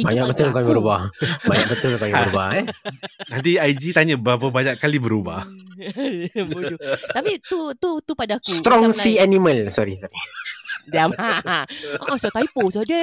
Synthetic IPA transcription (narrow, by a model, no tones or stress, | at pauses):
baɲak̚bət̪ʊlkalibəɾubahbaɲak̚bət̪ʊlkaləɾubah | nant̪iajd͡ʒit̪aɲabəapəbaɲaʔkalibəɾuba̰h | but̪apit̪ut̪ut̪upadaaksut̪ɾɔŋsianiməlsɔɾisɔɾidiama | sɔt̪ajiposɔdə